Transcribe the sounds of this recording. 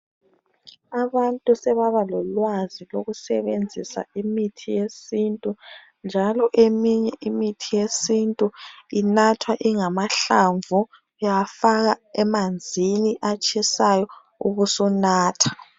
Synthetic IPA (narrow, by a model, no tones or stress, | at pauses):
aβantʼusɛβaβalɔlwaziloɣusɛ̰βend͡zʱisa̰imitʰijesintʼu | nd͡ʒʱalɔʔemiɲɛʔimitʰijesintʼuinatʰwaʔiŋamaɬaɱvʱu | jafaɣaɛmand͡zʱiniʔat͡ʃʼisajɔ | ṵɣusunaːtʰḁ